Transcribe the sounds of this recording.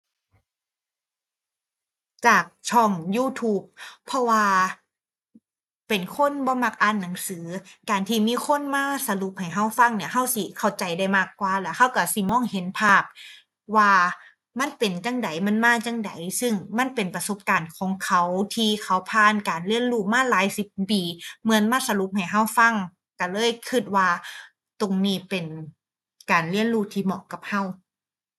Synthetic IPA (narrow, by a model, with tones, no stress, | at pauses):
t͡ɕaː˨˩k̚t͡ɕʰɔ˧˩ŋjuː˧˥˩t̪ʰuː˧˩p̚ʰːɔ˧waː˧ | pe˨˩nkʰo˧˥˨nbɔː˧˦ma˧˩k̚ʔaː˧˥˨nːa˨˩˦ŋsɯː˩˨˦kaː˨nt̪ʰiː˧˩miː˧˥˨kʰo˧˥˨nmaː˧˥˩sa˧lu˧˦p̚ha˨˩jɦa˧˥˩wfa˧˥˩ŋni˧˩ɐɦa˧˥˩wsi˧˩kʰa˧˩wt͡ɕa˨˩jda˧˩jmaː˧˩kːwaː˧˦lɛː˧˥˩kʰa˧˥˩wka˧˩si˧˦mɔː˧˥˨ŋhe˨˦npʰaː˧˩p̚ | waː˧ | ma˧˥˨npe˨nt͡ɕa˧˥˨ŋda˨˩jma˧˥˨nmaː˧˥˩t͡ɕa˧˥˩ŋda˨˦jsɯ˧˥˩ŋma˧˥˨npe˨˩npa˧so˧˦p̚kaː˨˩nkʰɔː˨˦ŋkʰa˧˦˥wt̪ʰiː˧˩kʰa˧˥wpʰaː˧˥˨nkaː˨nli˧˥˩ənɾuː˥˩maː˧˥˨laː˨˦jsi˧˦p̚piː˨˩mɯ˧˦ənmaː˧˥˨sa˧lu˧˦p̚ha˨˩jɦa˧˥˩wfa˧˥˩ŋ | ka˧˩lɤː˧˥˨jkʰɯ˧˩t̪̚waː˧ | t̪o˨ŋniː˧˥˩pe˨n | kaː˨˩nli˧˥˩ənɾuː˧˥˩t̪ʰiː˧˩mɔ̰˧˨ka˨˩p̚ha˧˥˩w